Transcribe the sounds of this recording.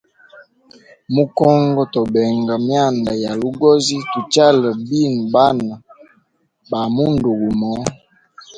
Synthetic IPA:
mu˦kɔ˦ŋɡɔ˦tɔ˨bɛ˨ŋɡa˨mja˦˨nda˨ja˨lu˦ɡɔ˦zi˦tu˨t͡ʃa˦lə˨bi˦˨n˨ba˦na˨ | ba˨mu˦ndu˨ɡu˨mɔ˨˦

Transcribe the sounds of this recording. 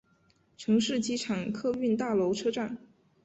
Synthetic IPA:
ʈ͡ʂʰɤ˧˥ŋʂɻ̩˥˩t͡ɕi˧˥ʈ͡ʂʰɑ˨˩ŋkʰɤ˥˧y˥˧nt̪a˥˩lo˧˥ʊʈ͡ʂʰɤ˥ʈ͡ʂa˥˩n

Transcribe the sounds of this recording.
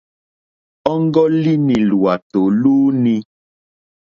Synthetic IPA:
ɔ˦ŋ˦ɡɔ˦li˦nĩ˨lu˨a˨t̪o˨luː˦nĩ˦

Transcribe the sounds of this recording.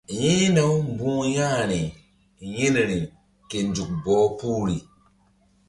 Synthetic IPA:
jĩ˦no˦wm˦bũ˦ja˦˨ɾi˨ | ji˦n˨ɾi˨ | ke˨n˨d͡ʒu˨k̚bɔ˨˦pu˦ɾi˨

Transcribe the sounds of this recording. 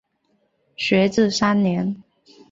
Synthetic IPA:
ɕɥɛ˧˥t͡sɹ̩˥˨sa˥nnjɛ˧˥˦n

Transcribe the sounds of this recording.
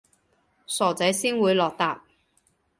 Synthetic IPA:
sɔː˨˩t͡sɐ˨˥jsiː˥nwuː˨˧jlɔː˨k̚t̪aː˧p̚

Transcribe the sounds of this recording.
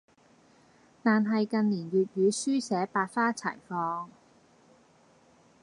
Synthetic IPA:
t̪aː˨nɦɐ˨jkɐ˨nliː˨˩njyː˨t̚jyː˨˧syː˥sɛː˨˥paː˧t̚faː˥t͡sʰɐ̰ː˨˩jfɔː˧ŋ

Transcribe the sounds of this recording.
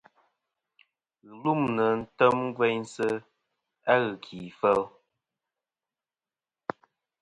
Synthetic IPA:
ɣə˨lu˦˨mnə˨n̩˦tə˦mŋ˦ɡwɛ˦ɲsə˦ | a˦ɣɨ˨kʰi˨fə˦l

